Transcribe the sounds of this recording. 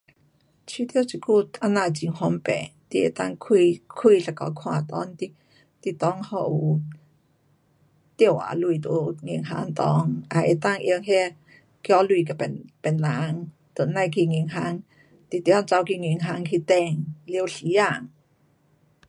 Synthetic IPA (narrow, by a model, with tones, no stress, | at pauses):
t͡ɕʰi˧˦t̪i˧˨wt͡ɕi˨˩ku˥˧ʔa˧na˧˨t͡ɕi˧˩ŋhɔ˧mpɛ̰˨t̪i˧ʔḛ˨˩t̪a˥˨ŋkʰi˧kʰwi˧˨ɬa˨˧˩kɔ̰˧˦kʰw̃ã˧˨˩t̪ɔ̰˧˦nt̪i˧ | t̪i˧˨t̪ɔ˧˦ŋhɔ˧ʔu˨ | t̪i˧ə˨wʔa̰˨lu˧˨t̪u˧˦ŋi˧ŋɦa̰˧˥ŋt̪ɔ˧˦ŋʔa˨ʔe˨˩t̪a˥˧˨ŋʔi˧ŋhɛ˧ | kjɔ˧˦lui˧˨ka˧˩pɛ˨pɛ˨˩nla˨˦ŋ | t̪o˨˩˨na˧jkʰi˧ŋi˧˨ŋɦa˧˥˦ŋ | t̪i˧˨t̪jɔ˧˦˧ŋt͡sa˧wki˧˨ŋi˧˩˨ŋɦa˧˥ŋkʰi˧t̪ɛ˧ŋli˧ə˧ɬi˨˦a˧˨ŋ